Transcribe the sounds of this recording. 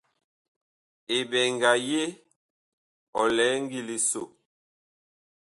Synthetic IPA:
e˨bɛ˨ŋɡa˨je˦ | ɔ˨lɛ˨˦ŋ˦ɡi˦˨li˨so˨

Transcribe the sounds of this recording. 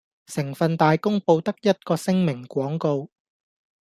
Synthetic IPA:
sɪ˨˩ŋfɐ˨nt̪aː˨˧jkʊ˥ŋpo˧wt̪ɐ˥k̚jɐ˥t̚kɔː˧sɪ˥ŋmɪ˨˩ŋkʷɔː˨˥ŋko˧w

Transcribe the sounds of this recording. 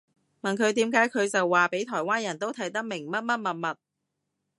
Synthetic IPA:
mɐ˨nkʰɵ˨˧ɥt̪̬iː˨˥mkaː˨˥jkʰɵ˨˧ɥt͡sɐ˨wːaː˨pe˨˥jt̪ʰɔː˨˩jwaː˥njɐ˨˩nt̪o˥wt̪ʰɐ˨˥jt̪ɐ˥k̚mɪ˨˩ŋmɐ˥t̚mɐ˥t̚mɐ˨t̚mɐ˨t̚

